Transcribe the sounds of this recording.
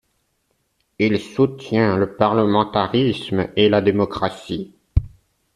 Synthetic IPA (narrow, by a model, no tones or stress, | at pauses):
ilsut̪jɛ̃ləpaʁləmɑ̃t̪aʁismelad̪emɔkχasi